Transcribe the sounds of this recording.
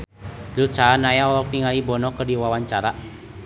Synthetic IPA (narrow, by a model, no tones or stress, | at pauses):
lut͡ʃaːnajaɔlɔpiŋalibɔnɔkərdiwawaɲt͡ʃaɾa